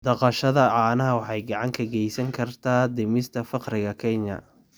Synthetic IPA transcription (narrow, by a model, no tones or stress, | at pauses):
d̪̥ɐqɑʃɐðɐʕɑːnɐɦɐwɑħɑjɡɑʕɑŋkʰɐɡɛjsɐŋkʰɐrt̪ʰaːd̪ɪmɪst̪ʰɐfɑqɾɪɣɐkʰɛɲɐ̰